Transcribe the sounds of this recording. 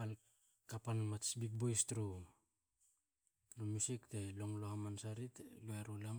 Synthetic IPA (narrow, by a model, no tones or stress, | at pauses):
al | kapanmatsbik̚bojstɾu | lomusikteloŋlohamansaɾitluaɾulam